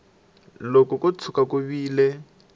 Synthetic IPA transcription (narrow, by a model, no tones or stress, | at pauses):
lokɔkʊt͡sʰʊkakʊβiːle